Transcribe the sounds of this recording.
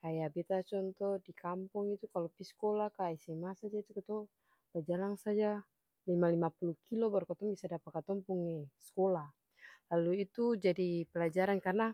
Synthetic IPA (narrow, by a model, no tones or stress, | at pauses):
kajabɛt̪at͡ʃɔnt̪ɔdikampɔŋit̪ukalɔpiskɔlakaisɛmasad͡ʒait̪ukɔt̪ɔ | bad͡ʒalaŋsad͡ʒa | limalimapulukilɔbaɾukɔt̪ɔŋbisadapat̪kat̪ɔŋpuŋɛskɔlah | laluit̪ud͡ʒadipɛlad͡ʒaɾankarna